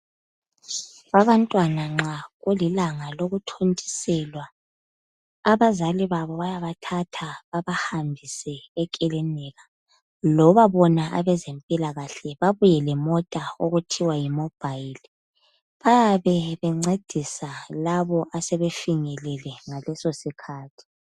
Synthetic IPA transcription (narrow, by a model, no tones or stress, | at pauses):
aβantʼwanaŋ͡ǁaɣulilaŋaloɣutʰontʼi̥sɛlwa | βazaliβaβɔβajaβatʰatʰaβaβahambʱisɛːkʼɛlɛnɛɣa | lɔβaβɔnaʔaβɛzempʼilaɣaɬɛβaβujɛlɛmɔtʼaoɣutʰiwajimɔb̥ʱail | βajaβɛβɛŋ͡ǀed̥ʱisalaβɔʔasɛβefiŋɛlɛlɛŋalɛsosikʰaːtʰi̥